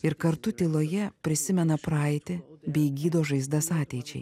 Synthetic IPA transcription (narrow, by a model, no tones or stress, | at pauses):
ɪɾkɐɾt̪ʊt̪ʲɪlˠoːjɛpʲɾʲɪsʲɪmʲɛnɐpɾɑɪt̪ʲɪbʲɛɪɡʲiːd̪oːʒɐɪzd̪ɐsɑːt̪ʲɛɪt͡ʃʲɛ̰ɪ